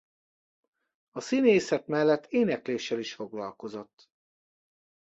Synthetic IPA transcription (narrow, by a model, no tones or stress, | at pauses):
ɒsineːsɛt̪mɛlːɛt̪ʰːeːnɛkleːʃːɛliʃfo̞ɡlɒlko̞zo̞t̪ː